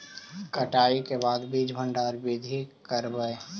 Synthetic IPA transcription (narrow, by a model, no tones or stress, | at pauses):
kəʈaːikebaːd̪bid͡ʒʱbʱəɳɖaːɾbid̪ʱikəɾbəe